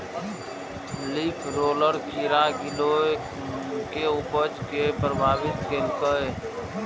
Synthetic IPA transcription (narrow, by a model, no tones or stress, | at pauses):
lipʰɾoːləɾkʰiɾaɡɪlo | keupəd͡ʒkepɾəbʱaːbɪt̪kelkəe